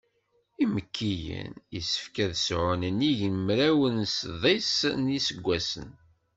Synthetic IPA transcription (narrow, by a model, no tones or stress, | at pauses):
iməkʰːijə̰nḭsə̥fkæðsʕʊnəniʝnmɾæwənsðˤisnisəɡʷːæsə̰n